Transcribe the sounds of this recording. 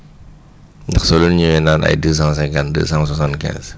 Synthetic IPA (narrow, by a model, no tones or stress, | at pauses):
ndɐxsɔlunɲuwɛnaːnɐ̰jdəːs̬ɑ̃s̬ɛkandə̰ːsãŋswasãntkɛ̰̃ːz